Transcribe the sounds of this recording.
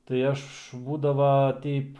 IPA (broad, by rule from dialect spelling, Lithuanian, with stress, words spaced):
tɐɪ ˈɐʃ ˈbuːdɐʋɐ ˈtʲɛɪp